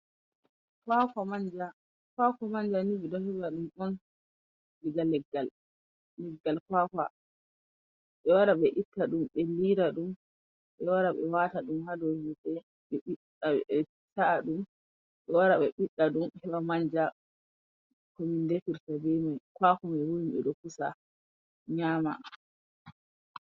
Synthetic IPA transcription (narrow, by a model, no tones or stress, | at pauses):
kwakamaɲd͡ʒa | kwakɔmaɲd͡ʒanibɛdɔhɛbaɗumɔn | biɡalːɛɡːalː | ɛɡːalkwaka̰ | ɓɛwaɾaɓɛʔitːaɗumɓeliɾaɗum | ɓɛwaɾaɓɛ̰wataɗumhadɔhiɗɛ | ɓɛɓiɗ | aɛ | saaɗum | ɓɛwaɾaɓɛɓiɗːaɗumhɛwamaɲd͡ʒa | komindɛfiɾtabɛmajkwakɔmawojiɓɛɗɔkusa | ɲaːma̰